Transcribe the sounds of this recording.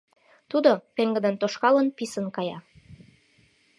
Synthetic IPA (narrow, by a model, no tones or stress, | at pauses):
t̪ud̪opeŋɡə̆d̪ənt̪oʃkɑlənpisə̆nkɑjɑ